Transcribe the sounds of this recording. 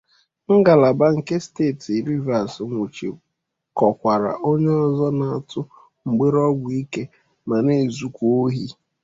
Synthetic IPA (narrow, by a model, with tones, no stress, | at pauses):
ŋ̩˦ɡa˨la˨ba˦ŋ̩˨ke˦ste˦˨ti˨ɾi˦va˨sŋʷu˨t͡ʃḭ˨ | kɔ˨kʷa˨ɾa̰˨ʔo˦ɲe˦ɔ˦zɔ˦na˨tʰʊ˦ | ŋ͡m̩˨ɡ͡be˦ɾɔ˦ɡʷi˦ke˦ | ma˨ne˨zu˨kʷu˦o˦ɦi˦